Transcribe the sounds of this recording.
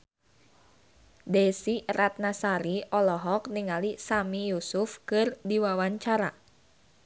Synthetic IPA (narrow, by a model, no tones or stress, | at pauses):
dɛsirat̪̚nasaɾiɔlɔɦɔk̚niŋalisamijusufkɨrdiwawaɲt͡ʃaɾa̰